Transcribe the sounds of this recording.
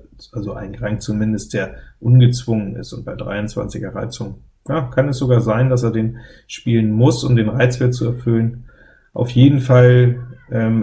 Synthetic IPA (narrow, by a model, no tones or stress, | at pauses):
ʔalzoʔa̰ɪnɡʁaŋkt͡sumɪndəst̚d̥eːɐʔʊnɡət͡sv̥ʊŋənɪ̰stʊ̰nt̚b̥aɪdʁa̰ɪʊnt͡sv̥a̰nt͡sɪçɐʁa̰ɪt͡sʊŋ | jaːkʰanɛsz̥oɡaːɐzaɪndas̬eːɐdeːn | ʃpiːlənmʊsʊmdeːnʁaɪt͡sv̥ɛɐt͡suɛɐfʏlən | ʔa̰ʊfjeːdn̩falʔɛːm